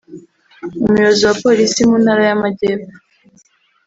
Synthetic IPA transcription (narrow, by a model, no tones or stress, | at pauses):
umuɾozowapo̞ːɾisimunhaɾajamaɟeːfo̥